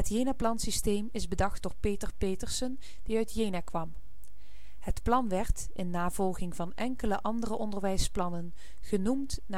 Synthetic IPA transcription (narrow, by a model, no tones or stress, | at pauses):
ɦətjejnaːplɑnsistejmɪzbədɑχtdʊːɹpejtəɹpejtəɹsən | d̥iœɥtjejnaːkʋɑm | hətplɑnʋɛɹt | ɪnːaːvɔlˠχɪŋvɑnʔɛŋkələʔɑndərəʔɔndəɹʋɛjsplɑnən | χənumtna